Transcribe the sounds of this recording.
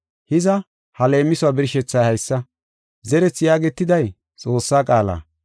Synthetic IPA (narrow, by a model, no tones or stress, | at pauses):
hɪzɐ | hɐle̞ːmːɪsʊwaːbɪɾɪʃɛt͡sːɐjhɐjsːɐ | zɛɾɛt͡sːjaːɡɛt̪ːɪd̪ɐj | t͡sʼo̞ːsːaːkʼaːla̰ː